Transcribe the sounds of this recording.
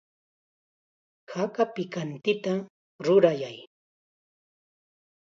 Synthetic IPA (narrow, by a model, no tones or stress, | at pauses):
hakapɪkant̪ɪt̪a | ɾʊɾajaj